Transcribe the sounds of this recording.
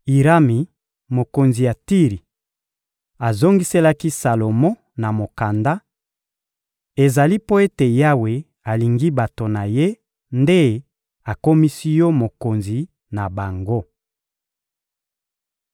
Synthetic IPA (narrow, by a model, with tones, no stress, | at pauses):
i˨ʁa˦mi˨ | mo˨ko˨nzi˨ja˨ti˦ʁi˨ | a˨zo˦ŋɡi˦se˦la˦ki˦sa˨lo˨mɔ˦ | na˨mo˨ka˨nda˦ | e˨za˨li˦po˦e˦te˨ja˦we˨ | a˨li˨ŋɡi˦ba˨to˨na˨je˦ | nde˦ | a˨ko˦mi˦si˦jɔ˦mo˨ko˨nzi˨ | na˨ba˨ŋɡo˦